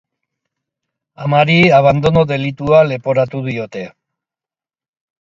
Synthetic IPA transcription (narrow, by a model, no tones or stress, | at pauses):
amaɾiaβ̞and̪o̞no̞ðe̞lit̪uale̞po̞ɾat̪uðio̞t̪e̞